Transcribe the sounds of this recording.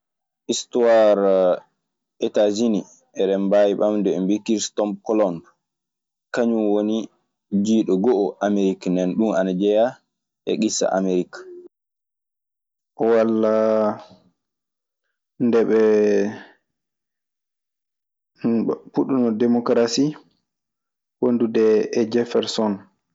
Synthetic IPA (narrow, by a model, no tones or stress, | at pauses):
ʔistuwaɾ | ɛtad͡ʒini | ʔɛɗɛmbajiɓamdɛɛmbikiɾstɔmb̚kɔlɔnd | kaɲumwoni | d͡ʒiːɗɔɡɔʔɔʔameɾiknɛnɗumanad͡ʒɛja | ʔɛ̰ɡisa̰ʔa̰meɾikḁ | ʔɔwalːa | ndɛɓɛ | puɗunɔdɛmɔkɾasi | wondudɛːd͡ʒɛfɛɾsɔn